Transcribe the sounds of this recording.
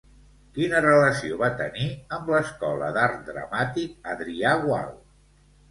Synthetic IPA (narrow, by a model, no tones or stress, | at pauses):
kinərələsioβat̪əniəmləskɔlə̰ðaɾt̪̚d̪ɾə̰mat̪ik̚əðɾiaɣwa̰lˠ